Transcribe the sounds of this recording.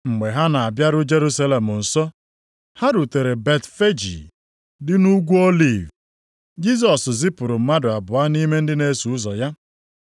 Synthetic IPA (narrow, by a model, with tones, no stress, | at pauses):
ŋ͡m̩˨ɡ͡be˨ɦa˦na˨a˨bja˦ɾʊ˦d͡ʒe˦ɾu˦sa˦le˨mʊ˨n̩˨sɔ˦ | ha˦ɾu˨te˨ɾe˨be˨tfe˦d͡ʒḭ˨ | dɪ˦nu˦ɡʷu˦o˦li˨v | d͡ʒi˦s̬ɔ˨szɪ˦pʊ˨ɾʊ˨m̩˦ma˦dʊ˨a˨bʊ˨a˦ni˦me˦n̩˦dɪ˦ne˦su˨ʊ˦zɔ˨ja˦